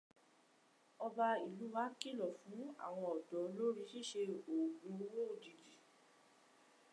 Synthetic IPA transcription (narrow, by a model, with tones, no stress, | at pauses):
ɔ˧ba˧i˨lu˨˦wa˦ki˦˨lɔ˨fũ˨˦a̰˦˨w̃ɔ̃˧ɔ˨dɔ˨˦lo˦ɾi˧˦ʃi˦˨ʃe˧o˨ɡũ˧˦wo˦˨di˨d͡ʒi˨